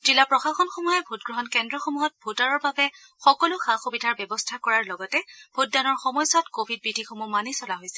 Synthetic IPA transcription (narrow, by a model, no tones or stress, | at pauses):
zilapɹɔxaxɔnxomujɛbʱotɡɹɔɦɔnkɛndɹɔxomuɦɔt̚bʱotaɹɔɹbabɛ | xɔkɔlʊxaxobidʱaɹbɛbɔstʰakɔɹaɹlɔɡɔtɛbʱotdanɔɹxɔmɔjsɔtkobʱid̚bɹidʱixomumanisɔlaɦojsɛ̥